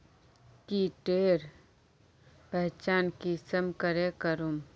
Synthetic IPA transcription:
kiʈeːɾ | pɛɦt͡ʃaːnkisəmkəɾekəɾum

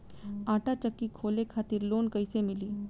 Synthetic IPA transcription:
aʈat͡ɕəkːiːkʰolekʰat̪iːɾlonkəjsemiliː

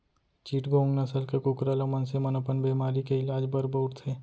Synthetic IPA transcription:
t͡ʃiːʈɡõːŋɡnɐsəlkekʊkɾəlomənsemənopənbeːmaːɾikeɪlaːd͡ʒbəɾboːɾt̪ʰeː

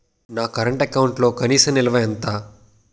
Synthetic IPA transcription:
naːkɐɾɐɳʈɐkːawuɳʈlo̞ːkɐniːsɐmnɪlɐʋɐjɐnt̪aː

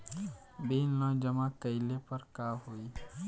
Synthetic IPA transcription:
bennɔd͡ʒəmakəɪlepəɾkaɦoi

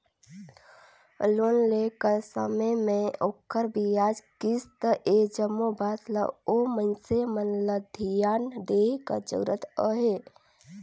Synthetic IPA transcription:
loːnlekəɾsə̰məjmẽokʰːəɾbijaːd͡ʒkist̪əʔed͡ʒəmːobaːt̪la̰omənsemənləd̪ʱijaːnd̪eːɦkə̰t͡ʃə̰ɡɾət̪əɦe

